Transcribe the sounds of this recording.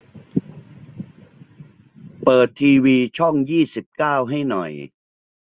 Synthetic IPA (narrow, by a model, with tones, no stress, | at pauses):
pɤː˨˩t̪ʰːiː˧wiː˧t͡ɕʰɔ˥˩ŋjiː˥˩si˨˩p̚kaː˥˩wɦa˥˩jnɔ̰˨˩j